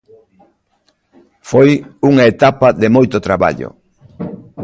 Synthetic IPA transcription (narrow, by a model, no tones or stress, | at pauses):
fojuŋɐet̪apɐðɪmojt̪ʊt̪ɾaβa̰ʎo̰